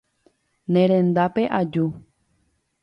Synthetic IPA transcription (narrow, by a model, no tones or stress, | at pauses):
nẽɾ̃ẽ̞nd̪ape̞ʔad͡ʒu